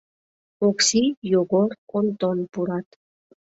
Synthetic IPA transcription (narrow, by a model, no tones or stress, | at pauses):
oksijoɡoɾont̪ɔnpuɾɑt̪